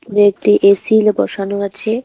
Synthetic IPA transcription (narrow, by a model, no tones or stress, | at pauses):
puɾeek̚ʈiʔesilbɔ̰ʃanoat͡ɕʰe